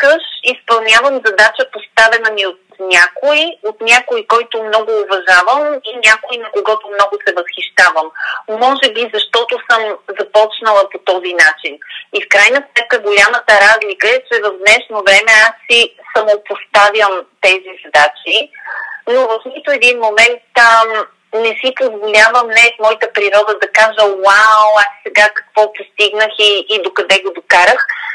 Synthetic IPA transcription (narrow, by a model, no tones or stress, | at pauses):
kəʃispɐlˠnʲavəmzɐd̪at͡ʃəpost̪avɛnəmiot̪nʲakoiot̪nʲjakoikɔjt̪omnɔɡʊːvɐʒavəminʲakoinɐkoɡɔt̪omnɔɡosɛvəsxiʃt̪avəmːɔʒɛbizɐʃt̪ɔt̪osɤmzɐpɔt͡ʃnəlˠəpot̪ɔzinat͡ʃinifkɾajnəsmɛt̪̚kəɡolʲamət̪əɾazlikəɛt͡ʃɛvɐvd̪nɛʃnovɾɛmɛasːisɐmopost̪avjəmt̪ɛzizɐd̪at͡ʃinovɐfnit̪ʊɛd̪inmomɛnt̪ | nɛsipozvolʲavəmnɛt̪mɔjit̪əpɾiɾɔd̪əd̪ɐkaʒəwawasːɛɡakɐ̥kv̥ɔpost̪iɡnəxiːd̪okɐd̪ɛɡod̪okaɾəx